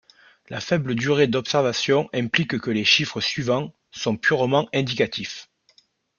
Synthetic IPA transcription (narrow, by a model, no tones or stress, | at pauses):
lafɛbləd̪yʁed̪ɔpsɛʁvasjɔ̃ʔɛ̃plikkəleʃifχəsɥivɑ̃ | sɔ̃pʰyʁmɑ̃ɛ̃d̪ikat̪ʰif